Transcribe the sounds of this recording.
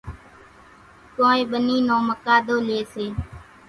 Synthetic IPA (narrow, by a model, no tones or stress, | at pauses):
koːẽːɓəniːnõːməkaːd̪oːleːseː